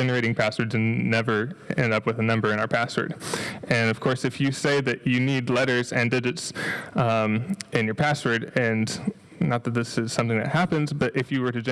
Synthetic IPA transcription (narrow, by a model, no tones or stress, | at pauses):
d͡ʒɛnə˞eɪɾɪ̃ŋpʰæswə˞dzɨ̃nːɛvə˞ɛ̰̃ndʌpwɨðɨnʌ̃mbə˞ɨ̃naʊə˞pʰæswə̰˞dɨ̃nʌv̥kʰɔɹsɨfjɨseɪðɨt͡ʃɨnidˡlɛɾə˞zɨ̃ndɪd͡ʒɨts | ɨ̃njə˞pʰæswə˞ɾɨ̃n | nət̪̚ðɨt̪̚ðɪsɨz̥sʌ̃mθɪ̃ŋðɨ̰t̚hæpɨ̃nzbʌɾʔɨfjɨwə˞ɾɨd͡ʒ